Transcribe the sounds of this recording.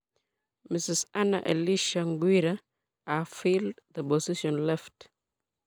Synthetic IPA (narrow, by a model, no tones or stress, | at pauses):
mɪsɪsana̰ʔɛ̰liʃaŋɡwiɾa | afildðəbɔsɪʃɔ̃nlɛft